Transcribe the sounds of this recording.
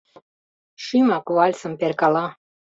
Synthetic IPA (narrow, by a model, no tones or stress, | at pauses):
ʃimakuvalʲsəmperkala